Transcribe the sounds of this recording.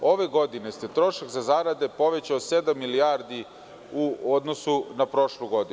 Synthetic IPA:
o̞ʋe̞ɡo̞d̪inest̪et̪ɾo̞ʃakzazaːɾad̪epo̞ʋet͡ɕaosed̪amːilijaːɾd̪i | uod̪nosunapɾo̞ʃlˠuɡo̞d̪i

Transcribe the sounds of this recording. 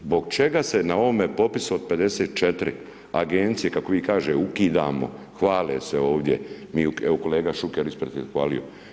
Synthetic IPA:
zbo̞ɡ̚t͡ʃe̞ɡasenao̞ʋome̞po̞pisuod̪̚pe̞d̪e̞seːt̪̚t͡ʃet̪ɾḭ | a̰ɡent̪sije̞kakoʋiːkaːʒeukiːd̪a̰ːmo̞̰ | xʋaːleseo̞ːʋd̪je̞̰miːeokoleːɡaʃukeɾispɾet̪iexʋa̰ːlḭjo̰

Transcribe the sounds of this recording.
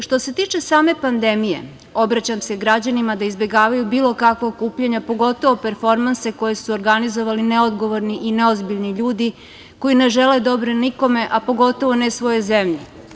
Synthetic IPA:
ʃt̪o̞se̞t̪iːt͡ʃe̞saːme̞pand̪e̞mije̞̰ | o̞bɾat͡ɕamse̞ɡɾad͡ʑanimad̪aizbe̞ɡaːʋajubiːlˠo̞kakʋokuːpʎeɲapo̞ɡo̞t̪o̞ʋo̞peɾfo̞ɾmanse̞ko̞je̞suoɾɡanizo̞ʋalineod̪ɡo̞ʋo̞ɾniʔineozbiʎniʎuːd̪i | ko̞jine̞ʒele̞d̪o̞bɾeniko̞me̞ʔapo̞ɡo̞t̪o̞ʋo̞nesʋo̞je̞zemʎe

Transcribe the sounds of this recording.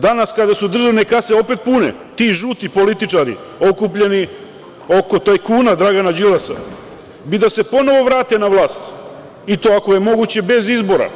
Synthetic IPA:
d̪anaskad̪asud̪r̩ʒaʋne̞kase̞o̞pe̞t̪̚punḛ | t̪iʒuːt̪ipo̞lit̪it͡ʃaɾḭ | o̞kupʎe̞ni | o̞ko̞t̪ojkuːnad̪ɾaɡanad͡ʒilasa̰ | bid̪asepo̞no̞ʋo̞ʋɾaːt̪e̞naʋlˠaːst̪ | it̪o̞ːako̞je̞mo̞ɡut͡ɕe̞be̞zizbo̞ɾa̰

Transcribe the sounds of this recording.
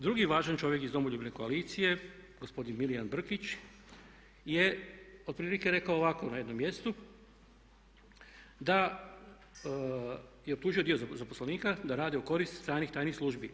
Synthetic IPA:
d̪ɾuɡiʋaːʒant͡ʃo̞ʋjekizd̪o̞moʎubineko̞aliːt̪sije̞ɡospo̞d̪inmilijanbr̩kit͡ʃ | je̞od̪pɾiːlike̞ɾe̞kaoːʋako̞najed̪no̞mːje̞st̪u | d̪a | jeop̚t̪uːʒioio̞zaposlaniːkad̪aɾaːd̪iuko̞ɾist̪st̪ɾaːnixt̪aːjnixslˠuʒbi

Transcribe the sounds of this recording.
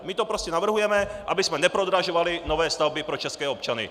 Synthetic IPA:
mit̪ɔpɾɔscɛnaʋr̩ɦujɛmɛʔabizmɛɲɛpɾɔd̪ɾaʒɔʋalinɔʋɛːst̪aʊbipɾɔt͡ʃɛskɛːɔpt͡ʃanḭ

